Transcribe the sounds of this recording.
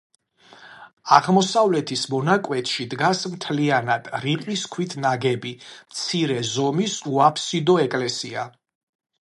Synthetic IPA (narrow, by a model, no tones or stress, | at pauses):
aʁmɔsavlɛt̪ʰismɔnakʼwɛt̪ʰʼʃid̪ɡasmt̪ʰlianad̪̥ɾiqʼwiskʰwit̪ʰnaɡɛbimt̪sʰiɾɛzɔmisuapʰsid̪ɔɛkʼlɛsia